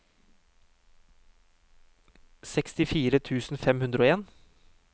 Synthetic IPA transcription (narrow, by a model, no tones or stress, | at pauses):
sɛkst̪ɪfiːɾət̪ʰʉːsn̩fɛmhʉnd̪ɾəoːeːn